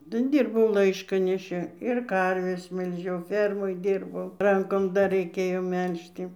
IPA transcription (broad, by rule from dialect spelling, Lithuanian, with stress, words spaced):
nʊ ˈdʲiːrbɐʊ ˈlˠɐɪʃkɐnʲɛʃʲɪ ɪr ˈkɐrʲʋʲɛs mʲɛlʲˈʒʲɛʊ ˈfʲɛrmoːj ˈdʲiːrbɐʊ ˈrɐŋkoːm dɐr rʲɛɪˈkʲeːjoː ˈmʲɛlʲʃʲtʲɪ